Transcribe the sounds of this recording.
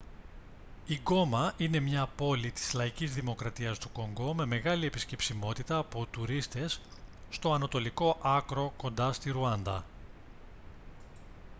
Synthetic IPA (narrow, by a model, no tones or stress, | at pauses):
iɡo̞mɐʔine̞mɲɐpo̞lit̪i̥zlɐicizðimo̞kɾɐt̪iɐst̪u̥ko̞ŋɡo̞me̞me̞ɣɐlie̞pisce̞psimo̞t̪it̪ɐːpo̞t̪uɾist̪e̞sːt̪o̞ɐnɐt̪o̞liko̞ʔɐkɾo̞ko̞nd̪ɐst̪iɾuɐnd̪ɐ̰